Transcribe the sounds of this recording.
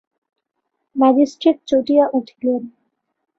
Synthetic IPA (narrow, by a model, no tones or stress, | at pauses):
mad͡ʑisʈɾit̪̚t͡ɕoʈiaʔuʈʰi̥len